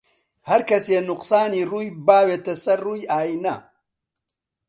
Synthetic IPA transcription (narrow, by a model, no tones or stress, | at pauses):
hɐɾkɐsjenʊqsaːniɾujbaːwet̪ɐsɐrːujaːjinɐ